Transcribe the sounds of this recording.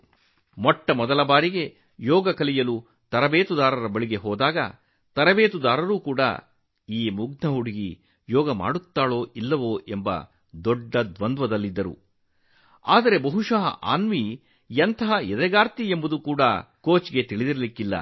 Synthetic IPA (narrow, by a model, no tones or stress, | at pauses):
mɔʈːɐmɔd̪ɐlɐbaːɾiɡe̞ | jɔːɡɐkɐlijɐlu | t̪ɐɾɐbeːt̪ud̪aːɾɐɾɐbɐɭiɡe̞ɦɔːd̪aːɡɐ̰ | t̪ɐɾɐbeːt̪ud̪aːɾɐɾuːkuːɽɐ̰ | iːmuɡnɐɦuɽiɡi | jɔːɡɐma̰ːɽut̪ːaːɭo̞ːʔilːɐʋoːʔe̞mbɐ̰ | d̪ɔɖːɐd̪ʋɐnd̪ʋɐd̪ɐlːid̪ːɐɾṵ | a̰ːd̪ɐɾe̞bɐɦuʂɐɦɐ̰ʔa̰ːnʋi | jɐnt̪ɐɦɐjɛd̪ɛɡaːɾt̪iembɐd̪ukuːɽɐkoːt͡ʃiɡe̞t̪iɭid̪iɾɐlikːilːɐ̰